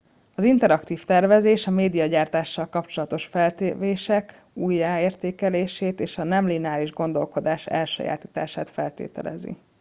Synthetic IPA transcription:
ɒzint̪ɛɾɒkt̪iːft̪ɛrvɛzeːʃɒmeːd̪ijɒɟaːrt̪aːʃːɒlkɒpt͡ʃo̞lɒt̪o̞ʃfɛlt̪eveːʃɛk | uːjːaːeːrt̪eːkɛleːʃeːt̪eːʃɒnɛmlinaːɾiʒɡo̞nd̪o̞lko̞d̪aːʃɛ̰lʃo̰ja̰ːt̪i̥ːt̪a̰ːʃaːt̪fɛlt̪ḛːt̪ɛ̰lɛ̰zḭ

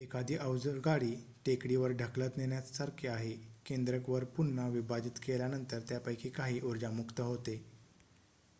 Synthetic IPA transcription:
ekad̪ʱiːʔəwd͡zəɾɡaɽiː | ʈekɽiʋəɾɖʱəklət̪neɳjasaɾkʰeaɦekend̪ɾəkʋəɾpunːaʋibad͡ʑit̪keljanənt̪əɾt̪japəjkʰiːkaɦiːʔuɾd͡ʑamukt̪əɦot̪e

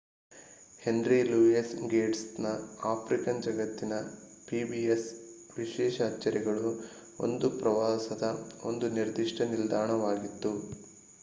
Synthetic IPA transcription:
he̞nɾiluːisɡeːʈsnɐaːpʰɾikɐnd͡ʒɐɡɐt̪ːinɐ | piːbies | ʋiʃɛːʃɐːt͡ʃːɐɾɛɡɐɭu | o̞̰nd̪upɾɐʋaːsɐd̪ɐo̞̰nd̪uniɾd̪iʂʈɐnild̪aːɳɐʋaːɡit̪ːu

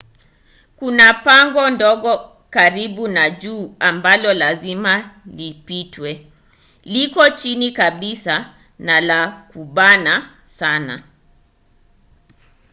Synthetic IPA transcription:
kunapaŋɡɔndɔɠɔ | kaɾiɓunaʄuːambalɔlazimalipitwɛ | likɔt͡ʃinikaɓisa | nalakuɓana | sana̰

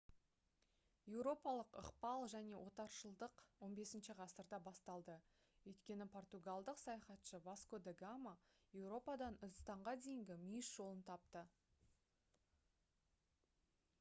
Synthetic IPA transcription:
je̞wɾo̞pɑlˠəqə̰qpɑlˠʒæne̞wʔo̞t̪ɑɾʃəlˠd̪əqwo̞nbe̞sɪnʃɪʁɑsəɾd̪ɑbɑst̪ɑlˠd̪ə | wɵjt̪kʲe̞nɪpʰo̞rt̪uɡɑlˠd̪əqsɑjɑχɑt̪ʃəvaskod̪eɡamaje̞wɾo̞pɑd̪ɑnʏzst̪ɑɴʁɑd̪e̞jɪŋɡʲɪmʏjɪsʒ̥o̞lˠənt̪ʰɑp̚t̪ə

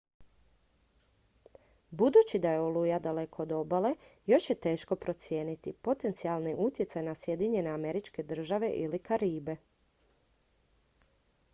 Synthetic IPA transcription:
bud̪ut͡ʃid̪ajeolujad̪ale̞ko̞ːd̪o̞bale̞jo̞ʃjet̪e̞ːʃko̞pɾo̞t̪sje̞ːnit̪ipo̞t̪e̞nt̪sialˠniʔut̪jesajnasje̞d̪iɲe̞ne̞ame̞ɾit͡ʃke̞d̪r̩ʒaʋe̞ʔilikaɾiːbe̞

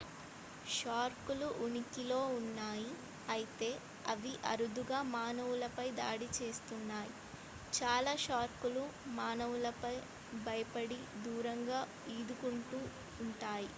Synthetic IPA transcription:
ʃaːɾkuluʔunikilo̞ːunːaːji | ɐjit̪e̞ː | ɐ̰ʋiʔɐ̰ɾud̪uɡaːmaːnɐʋulɐpɐjd̪a̰ːɽit͡ʃe̞ːst̪unːaːji | t͡ʃaːlaːʃaːɾkulumaːnɐʋulɐpɐj | bʱɐjɐpɐɽid̪uːɾɐŋɡaː | iːd̪ukuɳʈuː | ɳʈaːji

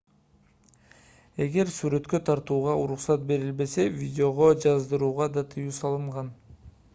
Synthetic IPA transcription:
e̞ɡe̞ɾsyɾø̞t̪kø̞t̪ʰɑɾt̪uːʁɑuɾuqsɑt̪̚be̞ɾilbe̞se̞vʲidʲɪo̞ʁo̞d͡ʒɑzd̪ɯɾuːʁɑd̪ɑt̪ʰɯjuːsɑlˠɯɴʁɑn

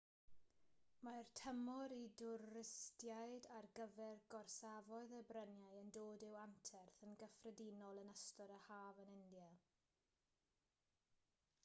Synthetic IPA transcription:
martʰəmɔɾidʊɾɪstjajdarɡəvɛrɡɔrsavɔɨðəbrənjaɨəndoːdɪwantʰɛrθənɡəfrədinɔlˠənəstɔɾəhaːvənɪndja

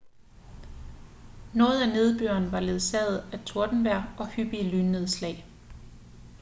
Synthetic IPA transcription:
nɔ̽ːð̞̩ˠæne̝ð̞ˠb̥ø̰ɐnʋɑ̈le̝ð̩ˠsɛð̩ˠæt͡sʰo̝ɐd̥n̩ʋæɐ̰ɒ̽hyb̥iəlynːeðˠslɛ̰ːɪ

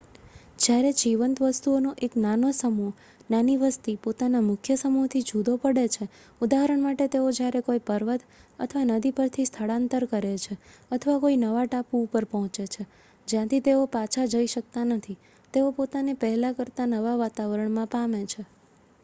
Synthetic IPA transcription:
d͡ʒjaɾed͡ʒiʋənt̪ʋəst̪uonoʔeknanosəmu | naniʋəst̪ipot̪anamʊkʰjəsəmuɦt̪ʰid͡ʒʱud̪opəɽet͡ʃʰe | ud̪aɦəɾəɳmaʈet̪eod͡ʒjaɾekoipəɾʋət̪ə̰t̪ʰəʋanəd̪ipəɾt̪ʰist̪ʰəɭãnt̪əɾkəɾet͡ʃʰeət̪ʰəʋakoinəʋaʈapuupəɾpɔɦɔ̃t͡ʃet͡ʃʰe | d͡ʒjãt̪ʰit̪eopat͡ʃʰad͡ʒəiʃək̚t̪anət̪ʰi | t̪eopot̪anepɛɦlakəɾt̪anəʋaʋat̪aʋəɾəɳmãpamet͡ʃʰe

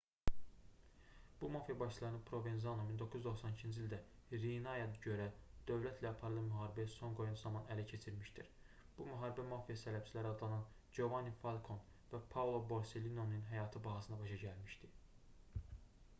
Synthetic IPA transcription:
b̥umɑfijɑbɑʃʰɯlˠɑɾɯnɯpʰɾo̞venzɑnomind̪o̞kʰuzyzd̪o̞xsɑnicʰind͡ʒilʲd̪æ | ɾinɑjɑɟø̞ɾæd̪̥ø̞vlæt̪ʰlæɑpʰɑɾɯlˠɑmyɦɑːɾibæso̞ŋɡo̞junzɑmɑnælæcʰe̞t͡ʃʰiɾmiʃt̪iɾ | b̥umyɦɑːɾibæmɑfijɑsælæb̥t͡ʃʰilæɾiɑd̪lˠɑnɑn | d͡ʒo̞vɑnːifɑlˠkʰo̞n | væpʰavlˠo̞bo̞ɾse̞lino̞nɯnɦæjɑːt̪ʰɯbɑɦɑsɯnd̪ɑbɑʃɑɟælmiʃt̪i

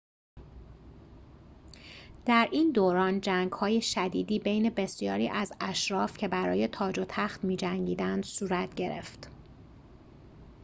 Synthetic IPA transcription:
d̪̥æɾʔiːnd̪oːɾɒːnd͡ʒæŋɡhɒːje̞ʃæd̪iːd̪iːbe̞jne̞be̞sijɒ̰ːɾiːʔæzæʃɾɒːfcʰe̞bæɾɒ̰ːje̞t̪ʰɒːd͡ʒot̪ʰæxt̪miːd͡ʒæŋɟiːd̪ænd̪̥suːɾæt̪ʰɟe̞ɾe̞̰ft̪

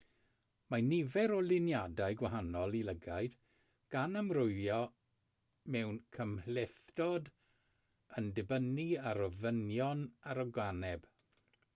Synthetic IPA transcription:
manivɛɾɔlɪnjadajɡwaɦanɔlˠiləɡajd | ɡ̥anamrʊɨjɔ | mɛwnkʰəmhlɛθdɔd | əndɪbəniaɾɔvənjɔnaɾɔɡwanɛb̥

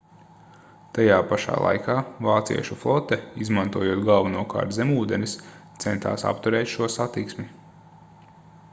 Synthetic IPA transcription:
t̪ajaːpaʃa̰ːlˠa̰jkʰaːvaːt̪sḭɛʃuflˠɔt̪ɛizmãnt̪uɔjuɔt̪ɡalˠvanuɔka̰ːɾt̪zemuːd̪enist̪sɛnt̪a̰ːsa̰pt̪uɾɛːt̪ʃuɔsat̪iksmi

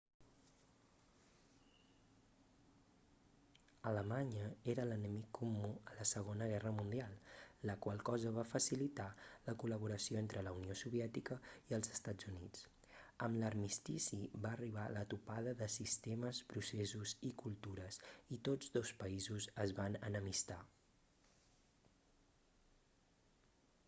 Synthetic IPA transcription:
ələmaɲəeɾələnəmikʰːumːuələsəɣ̞onəɣ̞ɛrəmund̪ialˠləkwalˠkɔzəβ̞afəsilit̪aləkuləβ̞uɾəsioent̪ɾələuniosuβ̞iɛt̪ikəiəlˠzəst̪ad͡zunit͡s | əmləɾmist̪isiβaːriβ̞alət̪upaðəðəsist̪eməspɾusezuzikulˠt̪uɾəsit̪od͡zd̪ospəizuzəzβanə̰nəmist̪a

